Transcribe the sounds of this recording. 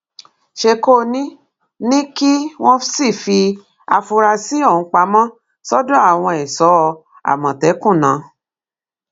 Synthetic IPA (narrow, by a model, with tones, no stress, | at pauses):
ʃe˧ko˦˨nĩ˦ | nĩ˦ki˦w̃ɔ̃˦si˦˨fi˧ | a˧fu˧ɾa˧si˦o˦˨ũ˧k͡pa˧˦mã˦ | sɔ˦dɔ̃˦a˦˨w̃ɔ̃˧ɛ˨sɔ˨˦˧ | a̰˨mã˨tɛ˨˦kũ˦˨nã˨˦